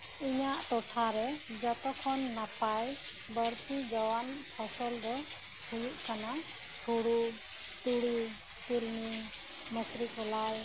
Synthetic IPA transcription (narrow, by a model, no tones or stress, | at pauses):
iɲaʔt̪ɔʈʰaɾɛd͡ʒɔt̪ɔkʰɔnːapaj | bəɾt̪id͡ʒɔwanpʰɔsɔld̪ɔ | hujuʔkana | ʈʰuɽu | t̪uɽi | t̪uɾni | məsɾikɔlaj